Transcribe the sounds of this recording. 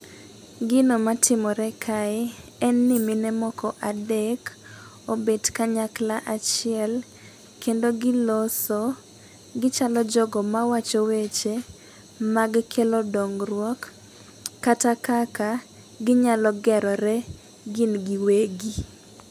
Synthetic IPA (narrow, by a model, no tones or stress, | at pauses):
ɡɪnomatʰɪmɔɾɛkʰaɛɛnːɪmɪnɛmɔkɔʔadek | obedkaɲaklaʔat͡ʃɪɛl | kendoɡɪloso | ɡɪt͡ʃalɔd͡ʒɔɡɔmawat͡ʃowet͡ʃe | maɡkʰelodɔŋɾwɔkː | atakaka | ɡɪɲalɔɡɛɾɔɾɛ | ɡɪnɡiweɡi